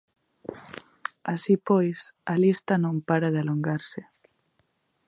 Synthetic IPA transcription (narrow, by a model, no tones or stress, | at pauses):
asipojsɐlist̪ɐnõmpaɾaðɪaloŋɡaɾsɪ